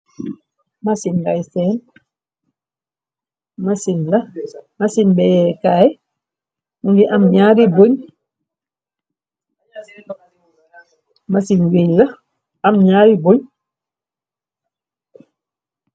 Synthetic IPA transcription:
masinɡajsɛːn | masinlamasinbɛjɛkaj | muŋɡiʔamɲaːɾiboɲ | masinwiɲla | amɲaːɾiboɲ

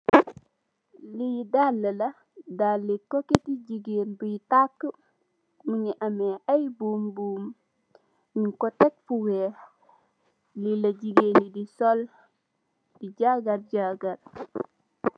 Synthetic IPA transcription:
lidalːela | dalːikoketiɟiɡenbujtakːə | muɲiʔameajbuːmbuːm | ɲiŋkotek̚fuwe | lilaɟiɡenidisol | d̥iɟaɡaɾɟaɡaɾ

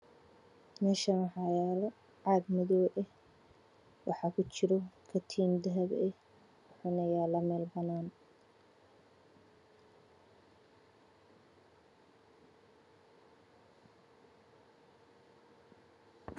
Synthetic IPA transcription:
mɛːʃɐnħɑjaːl | ʕɑːd̪mɔðɔːʔɛh | wʔɑħɑkʰʊt͡ʃɪɾɔkʰɐt̪ʰiːmd̪ɐɦɐbɛ | ħʊnɐjaːlɐmɛːlbɐnaːn

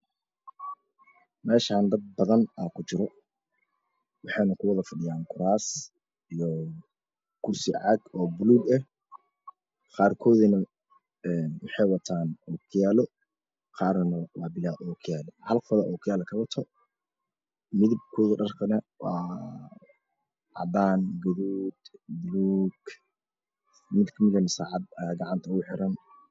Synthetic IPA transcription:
mɛːʃaːnd̪ɐd̪̚bɐðɐnaːkʰʊt͡ʃɪɾɔ | wɑħɑjnɐkʰʊwɐðɐfɐɖɪjaːŋkʰʊɾaːs | ijɔ | kʰʊrsɪʕɑɡɔːbʊluːɡɐh | qɑːrkʰɔːðɪnɐ | ɛːnwɑħɑjwɐt̪ʰaːnɔːkʰɪjaːlɔ | qɑːrɐnɐwɑːbɪlaːuːkʰʊjaːlɛhɐlfɐðɐʔɔːkʰɐjaːlɐkʰɐwɐt̪ʰɔ | mɪðib̚kʰʊɣɐɖɐrkʰɐnɐ | wɑː | ʕɑ̰d̪aːnɡɐðuːd̪bʊluːɡ | mɪd̪kʰɐmɪðɐnɪsaːʕɑd̪ɡɑʕɑnt̪ʰɐɣʊħɪɾɐn

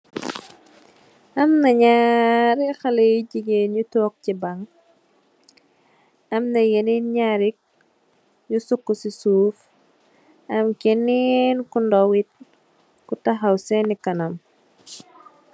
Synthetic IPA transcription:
ʔɐmnɐɲaɾixɐlejɟiɡenɲutɔːk̚cibaŋ | ɐmnɐjɛninɲaɾik̚ | ɲusukːusisuːf | ɐmkɛninkundɔwit̚ | kutaɦɐwsɛnikɐnɐm

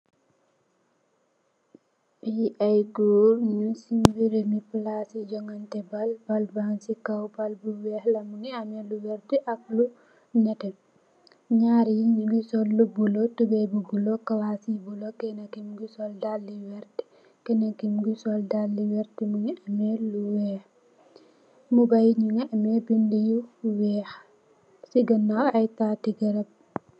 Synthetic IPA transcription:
ijiʔajɡulɲusimbiɾemiplasid͡ʒɔŋantɛbalbalbansikawpalbuwɛhlɐmuŋiamɛluwɛɾtiʔɐk̚lu | nɛtɛ | ɲaːɾijiɡusɔlːubulɔtubɛbubulɔkɐwasibulokɛnɐkimɡusɔldalːiwɛɾti̥ | kɛnɐkːimɡisɔldalːiwɛɾtimuŋiʔɐmɛluwɛːx | mubajɲuŋiɐmɛbindijuwɛːx | siɡɐnːawɐjtatiɡɐɾɐp̚

